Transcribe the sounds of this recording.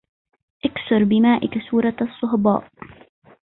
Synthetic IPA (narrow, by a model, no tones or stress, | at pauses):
ʔaksʊɾˤbɪmaːʔɪkasuːɾˤɑsˤːʊɦbɑ̰ːʔ